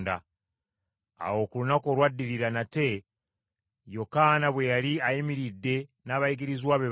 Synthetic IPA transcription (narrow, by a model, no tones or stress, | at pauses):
nda̰ | a̰wo̞ːkulunako̞ɾwadːiɾiɾanate̞ | jo̞kanaβwe̞jaliajimiɾidːe̞naːβaiɡiɾizwaβe